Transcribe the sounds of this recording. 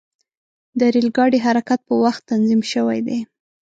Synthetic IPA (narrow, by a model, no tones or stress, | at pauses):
d̪əɾilɡɑɽiɦaɾakat̪̚pəwaxt̪ːanzimʃəwa̰jd̪e